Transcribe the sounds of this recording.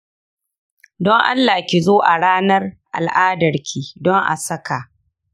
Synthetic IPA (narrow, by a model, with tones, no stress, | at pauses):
dɔ˦ŋʔa̰˦lːa˨kʲi˨zoː˦ʔa˨ɽaː˦nɐ˦rʔa̰˨lʔaː˦dɐ˨rkʲʰiː˨dɔ˦ŋʔa̰˨sɐ˦ka˨